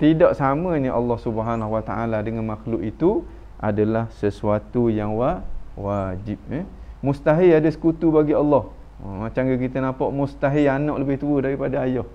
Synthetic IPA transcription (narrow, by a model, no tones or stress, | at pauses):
t̪idɔʔsaməniʔɑlːɑhsubəɦanaɦuwat̪aʔaladəŋanmaxlʊʔit̪u | ʔa̰dalahsəsuat̪ujaŋwawad͡ʒip̚əmust̪aɦiladasə̥kut̪ubaɡiɑlːɔh | mat͡ʃamɡak̬it̪ənapɔʔmust̪aɦianɔʔləbɪht̪uədaɾipadaajɔh